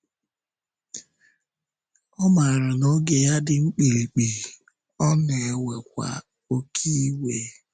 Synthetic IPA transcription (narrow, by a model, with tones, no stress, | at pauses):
ɔ˦ma˨ɾʊ˨no˦ɡe˨ja˦dɪ˨ŋ͡m̩˦k͡pe˨li˨k͡pi˨ | ɔ˦ne˨we˨kʷa̰˨ | o˦kʰi˦we˨